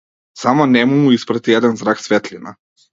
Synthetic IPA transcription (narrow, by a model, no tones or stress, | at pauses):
samɔnɛmumuispɾat̪iɛd̪ɛnzɾaksvɛt̪lʲina̰